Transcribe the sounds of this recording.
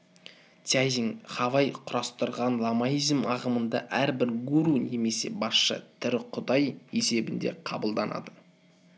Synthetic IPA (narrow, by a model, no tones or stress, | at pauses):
t̪ʲajiŋχɑvɑjqʰʊɾɑst̪əɾʁɑnlˠɑmajizmɑʁəmənd̪ɑ̰ʔæɾbɪɾɡuɾune̞me̞se̞̰bɑsʃə̰t̪ʰʏɾɪqʰʊd̪ɑje̞se̞bɪnd̪ḛqʰɑbəlˠd̪ɑnɑ̰d̪ə